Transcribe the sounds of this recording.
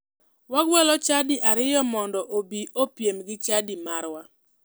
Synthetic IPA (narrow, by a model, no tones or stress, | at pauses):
waɡwɛlɔt͡ʃadiʔaɾɪjɔmɔndɔʔobiopjemɡɪt͡ʃadimaɾwa